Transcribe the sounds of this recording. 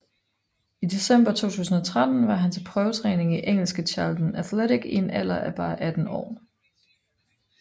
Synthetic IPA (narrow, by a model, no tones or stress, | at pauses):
id̥e̝sem̰b̥ɐt͡sʰo̝̰ːt͡sʰṵːsn̩ɒt͡sʰʁad̥n̩ʋɑ̈ɦænt͡sʰe̝lpʰʁœːʊt͡sʰʁɛːne̝ŋiʔeŋ̰l̩sɡ̥ət͡ɕʰɑ̈ːld̥n̩æθleɾiɡ̥inæl̰ɐʔæb̥ɑ̈ːʔæd̥n̩ɒ̰ː